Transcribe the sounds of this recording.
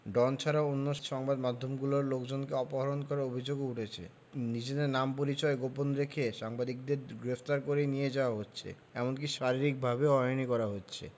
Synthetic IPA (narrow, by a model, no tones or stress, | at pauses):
ɖɔnt͡ɕʰaɾaonːoʃɔŋbad̪mad̪ʱːomɡuloɾlokd͡ʑonkeɔpoɦaɾonkɔɾaɾobʱid͡ʑoɡeuʈʰet͡ɕʰḛ | nid͡ʑed̪eɾnampoɾit͡ɕɔeɡoponɾekʰeʃaŋbad̪ik̚d̪eɾɡɾeft̪aɾkoɾenijed͡ʑaoaɦotːɕʰḛ | ɛ̰monk̬iʃaɾiɾik̚bʱabeɔjonikɔɾaɦotːɕʰḛ